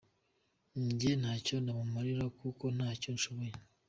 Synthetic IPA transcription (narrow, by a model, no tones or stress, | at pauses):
ɲɟen̥haːco̞namumaɾiɾakuko̞n̥aːco̞nʃo̞βo̞je